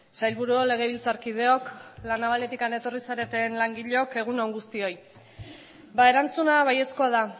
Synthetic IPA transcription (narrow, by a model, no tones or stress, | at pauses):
sajlβuɾuole̞ɣ̞e̞β̞ilt͡saɾkiðe̞o̞klanaβale̞t̪ikane̞t̪o̞risaɾe̞t̪e̞nlaŋɡiʎeo̞ke̞ɣ̞unoŋɡust̪io̞j | bae̞ɾant͡sunaβaje̞sko̞að̞a